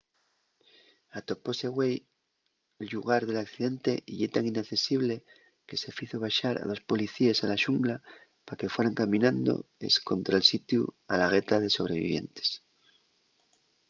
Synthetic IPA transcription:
at̪o̞po̞se̞ɣwe̞j | lʎuɣ̞aɾðe̞lakθiðe̞nt̪e̞ʔiʝet̪aŋinakθe̞siβ̞le̞ | ke̞se̞fiθoβ̞aʃaɾa̰ðo̞spo̞liθiesalaʃuŋɡla | pake̞fwe̞ɾaŋkamĩnãnd̪o̞̰ḛsko̞nt̪ɾaelsit̪jua̰laɣet̪að̞e̞so̞βɾe̞βḭβje̞̰nt̪e̥s

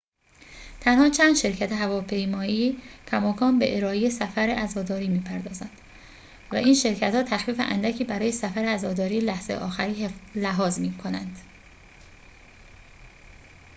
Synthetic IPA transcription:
t̪ʰænhɒːt͡ʃʰænd̪ʃe̞ɾcʰæt̪ʰeɦævɒːpʰe̞jmɒːicʰæmɒːkʰɒːnbeʔeɾɒːejesæfæɾeʔæzɒːd̪ɒːɾiːmiːpʰæɾd̪ɒːzænd̪̥ | væ̰ʔiːnʃe̞ɾcʰæt̪hɒːt̪ʰæxfiːfḛʔæ̰nd̪æcʰiːbæɾɒːje̞sæfæɾeæzɒːd̪ɒːɾiːlæhz̥ej̰ʔɒːxæɾiːlæɦɒːzmiːkʰo̞nænd̪̥

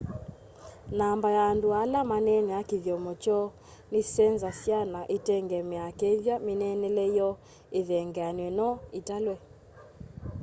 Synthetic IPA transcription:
nambajaːndoalamanɛnɛakiðjɔmɔt͡ʃɔ | nesɛnzasjanaʔetɛŋɡɛmɛakeðjamenɛnɛlɛjɔ | eðɛŋɡɛanwɛnɔetalwɛ

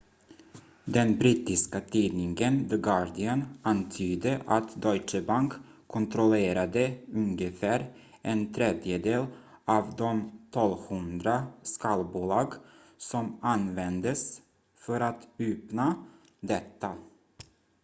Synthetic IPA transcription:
d̪ɛnbɾiːt̪ɪskat̪ʰiːd̪nɪŋɡənvəɡɑd̪ɪənant̪ʰyːd̪əʔat̪d̪ɔjt͡ʃəbaŋkʰː | ɔnt̪ʰɾɔleːɾad̪əɵŋɡəfæːɾ | ʔɛnt̪ʰɾɛd̪jəd̪eːl | ɑːvd̪ɔmt̪ʰɔlhɵnd̪ɾaskɑːlbulɑːɡ | sɔmanvɛnd̪əs | fœɾat̪ʉːpna | d̪ɛt̪ːa

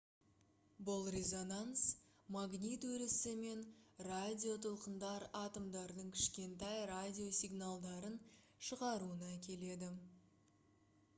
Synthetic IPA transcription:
bʊlˠrezo̞nans | maɡnʲit̪wɵɾɪsɪme̞nradʲio̞t̪ʰʊlˠqənd̪ɑɾɑt̪omd̪ɑɾd̪əɴkʲʰɪ̥ʃkʲe̞nt̪ɑjradʲio̞sʲijɡnalˠd̪ɑɾən | ʃəʁɑɾuənɑkʲe̞le̞d̪ɪ

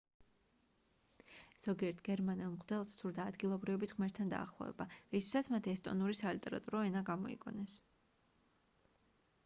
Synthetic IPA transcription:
z̥ɔɡiɛɾt̪ʰɡ̥ɛɾmanilˠmqʼd̪ɛlˠssuɾd̪aːd̪ɡilˠɔbɾivɛbisʁmɛɾt̪ʰand̪a̰ːχlˠɔ̰vɛ̰baɾist̪ʰi̥sat̪sʰmat̪ʰɛst̪ʼɔ̰nuɾisalit̪ʼɛɾa̰t̪ʼuɾɔɛnaɡamɔḭkʼɔ̰nɛs

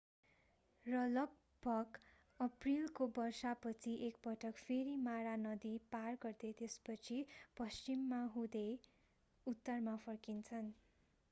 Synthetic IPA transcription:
rʌlʌɡ̚ | bʱʌɡ | ʌprilkobʌrsapʌt͡sʰiʔek̚pʌʈʰʌkpʰeɾimaɾanʌd̪iparɡʌrd̪et̪espʌt͡sʰipʌst͡ʃimːaɦũd̪e | ut̪ːʌrmapʰʌrkint͡sʰʌn

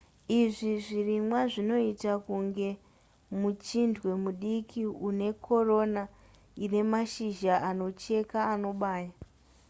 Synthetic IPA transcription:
iʐiʐirimwaʐino̞itakuŋɡe̞ | mut͡ʃindwe̞muɗikʰiune̞ko̞ro̞na | ine̞maʃiʒaʔano̞t͡ʃe̞kaːno̞ɓaːja

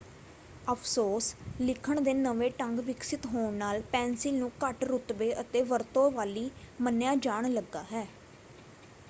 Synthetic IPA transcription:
əpʰsoːslɪkʰəɳd̪eːnəʋeːʈəŋɡʋɪksɪt̪ɦoːɳnaːlpɛ̃ːnsɪlnũːkəʈɾʊt̪ʋeːʔət̪eːʋəɾt̪õːʋaːliːmənjaːd͡ʒaːɳləɡːaːɦɛː

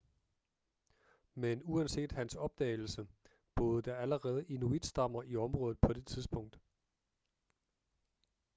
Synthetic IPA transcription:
menuænse̝̰ːd̥hænsɒ̽b̥̚d̥ɛ̰ːɪl̩sə | b̥ɔ̽ːð̞ˠəd̥ɑ̈æləʁɛːð̞̩ˠəʔinuid̥sd̥ɑ̈m̰ɐʔiɒ̽mʁɔ̽ːð̩ˠpʰɒ̽d̥e̝t͡sʰiðˠsb̥ɔ̽ŋ̰d̥

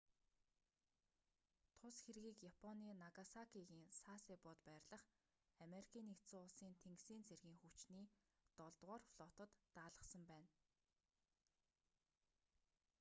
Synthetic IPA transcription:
t̪ʰʊsxeɾɣiːkjapʰɔniːnaɣasakiɣiːŋsasipʊːt̪pæːrɮə̆χ | ameɾikʰiːnekt̪sʊːʊɮsiːnt̪ʰeŋɡsiːnt͡sʰerɣiːŋxut͡ɕniːt̪ɔɮt̪ʁɔːrfɮɔt̪ə̆t̪ːaːɮə̆sə̆mpæːn

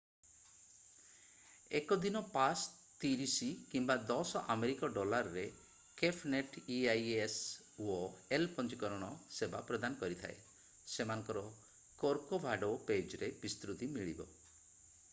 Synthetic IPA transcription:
ekɔd̪inɔpas | t̪iɾisikimbad̪ɔsɔʔameɾikɔɖɔlaɾɔɾe | kepʰneʈiajes | oelpɔnt͡ʃikɔɾɔɽ̃ɔsebapɾɔd̪anɔkɔɾit̪ʰa̰e | semanɔ̃ŋkɔɾɔ | koɾkobʱaɖoped͡ʒɾebist̪ɾut̪imiɭḭbɔ̰

